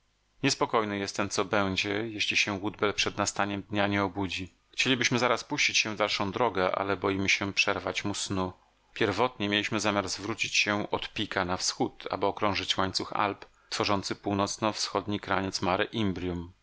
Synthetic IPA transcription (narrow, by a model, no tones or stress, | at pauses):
ɲɛspɔkɔjnɘjɛst̪ɛmt̪sɔbɛw̃d͡ʑɛjeɕlʲiɕɛwud̪bɛlpʂɛd̪nast̪aɲɛmd̪ɲaɲɛɔbud͡ʑi | xt͡ɕelʲibɘɕmɘzaɾaspuɕt͡ɕit͡ɕɕɛ̃vd̪alʂɔ̃w̃d̪ɾɔɡɛʔa̰lɛbɔjimɘɕɛpʂɛɾva̰t͡ɕmusnu | pʲjɛɾvɔt̪ɲɛmʲjelʲiɕmɘzamʲjaɾzvɾut͡ɕit͡ɕɕɛɔt̪pʲikʰanafsxut̪a̰bɘɔkɾɔ̃w̃ʐɘt͡ɕwaɲt̪suxa̰lp | t̪fɔʐɔnt̪sɘpuwnɔt̪snɔfsxɔd̪ɲikɾa̰ɲɛt̪smaɾɘʔimbɾʲjum